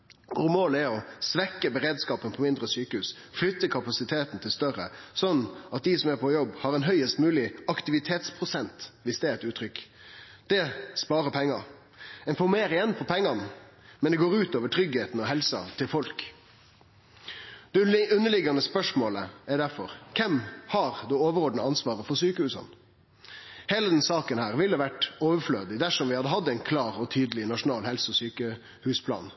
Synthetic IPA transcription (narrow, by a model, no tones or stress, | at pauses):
ɔɾmoːlɛɾɔsʋɛkːəbəɾeːd̪skɑːpənpʰɔmɪnd̪ʁəsyːkəhʉːs | flʏt̪ːəkʰɑpɑsɪt̪ʰeːt̪n̩t̪ʰɪlst̪œʁə̰sɔnːɑt̪̚d̪ɪsɔmæpʰɔjɔbːhɑɾɛnɦœʏəst̪mʉːlɪɑkt̪ɪʋɪt̪ʰeːt̪spʰʁʊsɛnt̪ʋɪsd̪ɛːɾɛt̪ʉːt̪ʰːɾʏk | d̪̥ɛspɑːɾəpʰɛŋːɑ | ɪnfɔmeːɾəɪjɛnːpʰɔpʰɛŋːɑn | mɛnd̪ɛɡoːɾʉːt̪oːʋəʈʰɾʏɡheːt̪n̩ɔɦɛlsɑ̰t̪ʰɪlfɔlk | d̪̥ɛʉnːəɭɪɡɑnəspœʂmoːləɛɾɖ̪æɾfɔɾkʰɛmhɑʁd̪ɛoːʋəɾɔɖnəɑnsʋɑːʁəfɔɾsyːkəhʉːsɑ̰n | heːləd̪ɛnsɑːkənhæːʁʋɪlːəʋæʈoːʋəfløːd̪ɪd̪æʂɔmʋɪhɑd̪əɦɑd̪ːəæɪnkʰlɑːɾɔt̪ʰyːd̪əlɪnɑʂʊnɑːlhɛlsɔsyːkə | hʉːspʰlɑ̰ːn